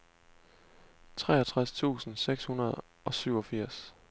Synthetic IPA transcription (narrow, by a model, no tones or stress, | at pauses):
t͡sʰʁɛ̰ːɐt͡sʰʁast͡sʰṵːsn̩seɡ̥shunɐð̞ˠ | ʔɒ̽syʊ̰ɒ̽fiɐ̰s